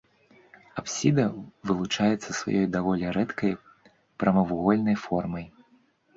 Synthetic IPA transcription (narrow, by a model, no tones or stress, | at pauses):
apsʲid̪ɐvɨlˠut͡ʂajɛt̪sːɐsva̰jɔjd̪avɔlʲiɾɛt̪kɐj | pɾɐmɐvuɣɔlʲnɐjfɔrmɐj